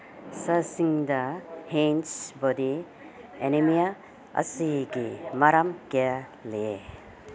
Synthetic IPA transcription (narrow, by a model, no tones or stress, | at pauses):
səsiŋd̪ahensbɔdi | enemija | ɐ̰siɡimaɾamkealee